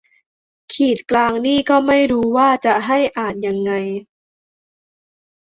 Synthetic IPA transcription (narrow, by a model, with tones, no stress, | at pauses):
kʰiː˨˩t̪̚klaː˧ŋniː˥˩kɔː˥˩ma˥˩jɾuː˧waː˥˩t͡ɕa˨˩ʔɦa˥˩jʔaː˨˩t̪̚ja˧ŋːa˧j